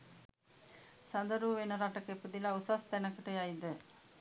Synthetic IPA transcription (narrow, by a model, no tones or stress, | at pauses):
sɐnd̪əɾuʋʋenəɾaʈɐkepud̪ilausast̪ɛnɐkəʈəjajd̪ə